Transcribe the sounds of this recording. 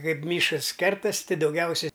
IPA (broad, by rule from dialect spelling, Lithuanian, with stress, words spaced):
ˈkɐɪp ˈmʲiːʃkɐs ˈkʲɛrtɐsʲ ˈtʲɪ dɐʊˈɡʲɛʊsʲɛ